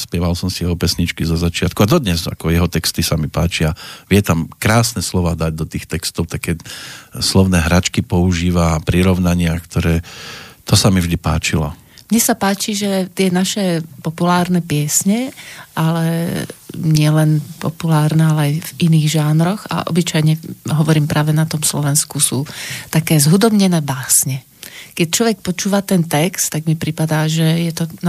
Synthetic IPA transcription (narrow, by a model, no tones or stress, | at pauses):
spɪɛʋalsɔmsijɛɦɔpɛsɲit͡ʃkizɔzat͡ʃɪat̪kuad̪ɔd̪ɲɛza̰kɔjɛɦɔt̪ɛkst̪isamipaːt͡ʃiaʋɪɛt̪amkɾaːsnɛslɔʋaːd̪aɟ̚d̪ɔt̪iːxt̪ɛkst̪ɔʊt̪akːɛːslɔʊnɛːɦɾat͡ʃkipɔuʒiːʋapɾiɾɔʊnaɲɪakt̪ʰɔɾɛːt̪ɔsamivʒd̪ipa̰ːt͡ʃilɔ̰ | mɲɛsapaːt͡ʃiʒɛt̪ɪɛnaʃɛpɔpulaːɾnɛpɪɛsɲɛʔalɛ | ɲɪɛlɛnpɔ̰pulaːɾnɛalɛajviniːɣʒaːnɾɔɣa̰ʔɔ̰bit͡ʃajɲɛɦɔʋɔɾiːmpɾʔaːʋɛnat̪ɔmslɔʋɛnskusuːt̪akɛːzɦud̪ɔbɲɛnɛːbaːsɲɛ | kɛc̚t͡ʃlɔʋɛk̚pɔt͡ʃuːʋat̪ɛnt̪ɛkst̪t̪ːaɡmipɾipad̪aːʒɛjɛt̪ɔn